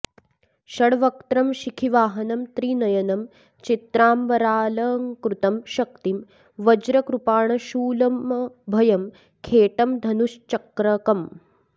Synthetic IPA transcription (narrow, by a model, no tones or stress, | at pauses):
ʃɐɽʋɐk̚t̪ɾɐmʃikʰiʋaːɦɐnɐmt̪ɾiːnɐjɐnɐm | t͡ʃit̪ɾaːmʋɐɾaːlɐːŋkɾut̪ɐmʃɐk̚t̪im | ʋɐd͡ʒɾɐkɾupaːɳɐʃuːlɐmbʱɐjɐm | kʰeːʈɐmd̪ʱɐnuʃt͡ʃɐkɾɐkɐm